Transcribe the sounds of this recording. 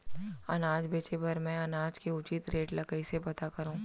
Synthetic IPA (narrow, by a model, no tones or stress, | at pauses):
ɐ̰naːd͡ʒbeːt͡ʃepɐɾmɛ̃ɐnaːd͡ʒkeʊt͡ʃit̪ɾeːʈlɐkəisebɐt̪akɐɾũː